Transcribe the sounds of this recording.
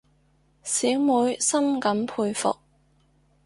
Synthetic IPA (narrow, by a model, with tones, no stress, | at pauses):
siː˨˥wmuː˨˧˥jsɐ˥mkɐ˨˥mpʰuː˧jfʊ̰˨k̚